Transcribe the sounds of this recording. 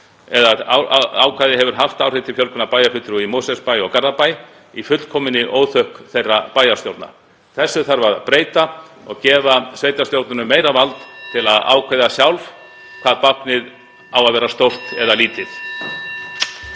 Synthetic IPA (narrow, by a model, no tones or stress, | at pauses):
ɛðaaːwkʰajðɪhɛvʏɾ̥ɦaft̪aːwr̥ɪjt̪ʰɪlfjœlkʏnapajafʏt̪ɾuimowsɛspajɔɣkarðapaj | ifʏt̪l̥kʰɔːmɪnɪʔoːwθœhkθejrːapaːjast̪jowt̪na̰ | θɛsːʏθaɾvaɾpɾeːjt̪aɔɣcɛːvasveːjt̪ast̪jowt̪nʏnʏmːeːjɾavalt̪t̪ʰɪlaða̰ːwkʰajðasjawlf | kʰvaːðpahpnɪð | awaðvɛːɾast̪owr̥t̪ɛðaliːt̪ɪθ